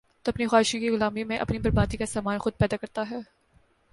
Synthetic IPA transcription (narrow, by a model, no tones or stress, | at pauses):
t̪oɐpnixwaːɦɪʃõkiɣʊlaːmimẽʔɐ̰pnibɐɾbaːd̪ikasaːmaːnxʊd̪̚pɛːd̪akɐɾt̪aɦɛː